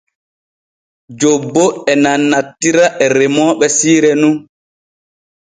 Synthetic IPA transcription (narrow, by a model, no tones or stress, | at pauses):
d͡ʒobːɔɛnanːatːiɾaʔɛɾɛmɔːɓɛsiːɾɛnun